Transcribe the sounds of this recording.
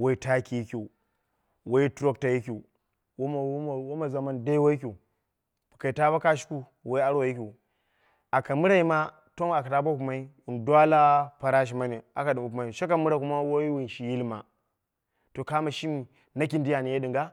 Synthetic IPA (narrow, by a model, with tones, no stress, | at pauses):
wo˦i˦ta˦ki˨ji˦kʲu˨ | wa˦i˦tɾo˦k̚ta˨ji˦kʲi˨ | wo˦˨˦wo˦ma˨za˨ma˦nda˦wa˦i˦k̬ʲu˨ | ka˨i˨ta˦ba˦ka˦ʃi̥˦ku˦ | wa˦i˦a˦ɾo˨ji˦k̬ʲi˨ | a˨ka˨mu˦ɾa˦ji˦ma˦ | to˦na˨ka˨ta˨˦ba˦ku˨ma˨˦i˦ | u˨ndʷa˦la˦pa˨ɾa˦ʃ̬i˨ma˦ni˨a˨ka˨ɗi˨u˨kma˨i˨ʃa˦ka˨mu˦ɾa˦˨ku˦ma˦wo˦i˦wi˨nʃi˨ji˦lma̰˨ | to˨ka˦ma˨ʃi˦mi˨ | na˦k̬i˦ndi˦ja˨ni˨je˦ɗi˨ŋɡa˦